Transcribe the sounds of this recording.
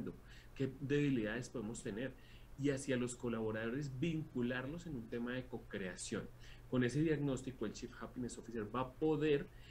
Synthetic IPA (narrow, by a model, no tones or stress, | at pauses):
nd̪o̞ | ke̞ðe̞βiliðaðe̞spo̞ðemo̞st̪e̞ne̞ɾ | iasjalo̞sko̞laβo̞ɾað̞o̞ɾe̞zbiŋkulaɾlo̞se̞nunt̪e̞mað̞e̞ko̞kɾe̞asjo̞nko̞ne̞s̬e̞ðjaɣno̞st̪ikoe̞lt͡ʃifxapinesofiseɾbapo̞ðe̞ɾ